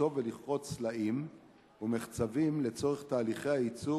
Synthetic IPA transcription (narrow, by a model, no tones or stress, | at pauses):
o̞veliχʁo̞t͡slaim | umeχt͡savimle̞t͡so̞ʁeχt̪aːliχejhait͡su